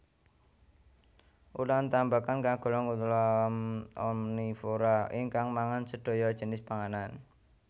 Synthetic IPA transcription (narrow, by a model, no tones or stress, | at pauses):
ulant̪ambakankaɡ̥ɔ̤lɔŋkut̪ulɔmɔnifoɾaiŋkaŋmaŋansəɖ̥o̤jɔd̥ʒ̥ə̤nɪspaŋanan